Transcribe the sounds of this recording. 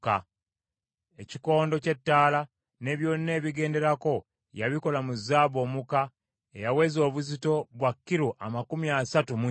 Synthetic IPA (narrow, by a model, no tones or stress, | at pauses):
ka | eciko̞ːndo̞ce̞tːaːla | ne̞ːβjo̞ːnːe̞ːβiɡe̞ːnde̞ɾako̞ | jaβiko̞lamuzːaːβo̞ːmuka | ḛjawe̞zo̞ːβuzito̞βwakːiɾuʔamakumiasatumu